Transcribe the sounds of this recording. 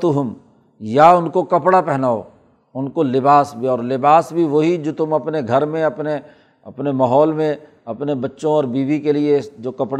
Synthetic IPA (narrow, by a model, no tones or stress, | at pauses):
t̪uɦʊm | jaʊnkokɐpɽapɛɦnaːo̰ | ʊnkolɪbaːsbʱiɔːɾlɪbaːsbʱiʋoɦid͡ʒoːt̪ʊmɐpneɡʱɐɾmẽɐpne | ɐpnemɐɦɔːlmẽ | ɐpnebɐtːʃõɔːɾbiːbikelied͡ʒoːkɐpɽ